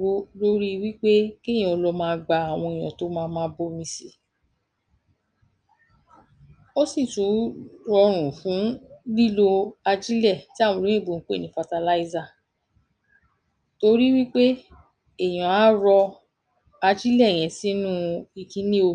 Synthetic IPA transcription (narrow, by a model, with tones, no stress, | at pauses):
o˧lo˦ɾi˦˧wi˦k͡pe˦kẽ˦˨ĩ˦ɔ˧lɔ˧˦mãː˧˦˧ɡ͡ba˨˧a˨w̃ɔ̃˧e˨j̃ɔ̰̃˨to˦mãː˧mãː˧˦bo˦mĩ˧si˨ | o˦si˦˨tũ˨˦ɾɔ˧ɾ̃ũ˨fũ˨˦li˦lo˧a˧d͡ʒi˦lɛ˦˨ti˦a˦˨wɔ̃˧lõ˨˦ĩ˦˨bo˨ŋ̩˦k͡po˦e˦˨nĩ˨˦fa˧ta˧la˦i˦za˦˨ | to˧ɾi˦wi˦k͡pe˦ | e˦˨j̃ɔ̃˨a˨˦ɾɔ˧ | a˧d͡ʒi˦lɛ˦˨j̃ɛ̃˨si˨˦nũ˦i˨kĩ˨˦nĩ˦o˧